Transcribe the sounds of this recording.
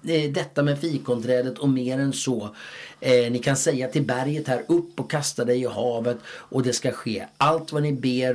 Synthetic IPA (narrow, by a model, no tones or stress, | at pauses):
d̪ɛt̪ːamɛfiːkɔnt̪ʰɾɛːd̪ət̪ʰɔmeːɾɛnsɔ | nɪkʰansɛjːat̪ʰɪlbæɾjət̪hæːɾɵpːɔkʰːast̪ad̪ɛjɪhɑːvət̪ʔɔd̪ɛskaɧeːʔalt̪vanɪbeːɾ